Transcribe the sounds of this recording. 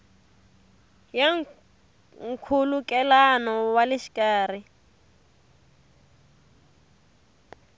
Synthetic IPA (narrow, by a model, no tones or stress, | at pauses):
jaŋ | ŋ̩kʰulukʼɛlanɔwalɪʃi̥kʼaːr̤i